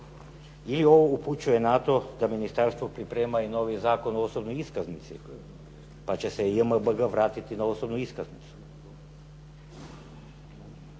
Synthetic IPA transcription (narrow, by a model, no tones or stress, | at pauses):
ilio̞ʋouput͡ɕuje̞nat̪o̞d̪aminist̪aɾst̪ʋopɾipɾeːmaino̞ʋizaːkonoosobnojiskaznit̪sḭ | pat͡ɕesejəməbɡaʋɾaːt̪it̪inaosobnuiskaznit̪su̥